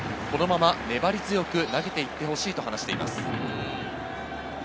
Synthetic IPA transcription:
ko̞no̞mamane̞baɾʲizɨjo̞kɯ̟naɡe̞t̪e̞it̪ːe̞ho̞ɕiːt̪o̞hanaɕi̥t̪e̞̰ima̰sɨ̥

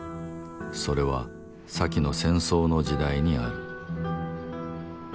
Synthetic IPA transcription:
so̞ɾe̞β̞a̰ | sakʲino̞sẽ̞ɰ̃so̞ːno̞ʑid̪aiɲ̟iaɾɯ̟

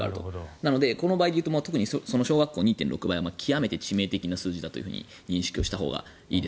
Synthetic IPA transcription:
a̰ɾɯ̟t̪o̞̰nano̞d̪e̞ko̞no̞baːid̪eɯ̟t̪omoːt̪o̞kɯ̟ɲ̟isoso̞noɕoːɡakːo̞ːɲ̟iːt̪ẽ̞nɾo̞kɯbaiamakʲʰijame̞t̪e̞t͡ɕime̞ːt̪e̞kʲinasɨːʑid̪at̪o̞jɯ̟ɯ̟ɲ̟ḭ | ɲ̟ĩɕi̥kʲio̞ɕi̥t̪aɦo̞̰ːɡa̰ | iːd̪e̞

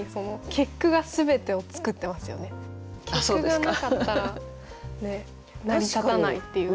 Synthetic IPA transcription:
iso̞no̞kʲʰe̞kːɯ̟ɡasɨbe̞t̪e̞o̞t͡sɨ̥kɯ̟t̪ːe̞masɨjo̞̰ne̞kʰʲeasoɯd̪ɡanakat̪ːaɾa | ne̞ | namʲit̪aanait̪ːe̞jɯ̟

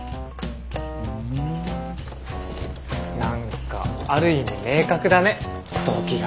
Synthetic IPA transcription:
ɯ | nãŋka̰aɾɯ̟imime̞ːkakɯ̟d̪ane̞ | t̪oːkʲiɡa

